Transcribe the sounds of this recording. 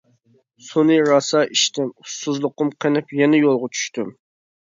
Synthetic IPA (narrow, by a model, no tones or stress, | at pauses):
sunɨɾɑsɑʔiʃt̪ʰɪmusːuzlˠʊqʊmqʰənɪpjɛnɛjolˠʁɑt͡ʃʰy̥ʃt̪ym